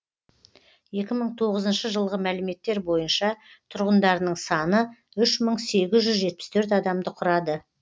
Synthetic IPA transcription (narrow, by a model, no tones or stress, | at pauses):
je̞kʲɪməɴt̪ʰo̞ʁəzənʃəʒəlˠʁəmælɪme̞t̪ːe̞ɾbo̞jənʃɑ | t̪ʰʊɾʁənd̪ɑɾənəɴsɑnə | ʏʃməɴse̞ɡʲɪzʒʏzʒe̞t̪̚pɪst̪ʰɵɾt̪̬ɑd̪ɑmd̪əqʰʊɾɑd̪ə